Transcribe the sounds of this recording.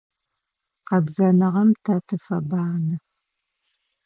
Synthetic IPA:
qɐbzɐnɐʁɐmtʰɐtʰɨfɐbaːnɨ

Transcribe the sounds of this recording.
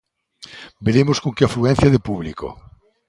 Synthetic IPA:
beɾemoskoŋkeafluɛ̃n̟θjaðepuβliko̰

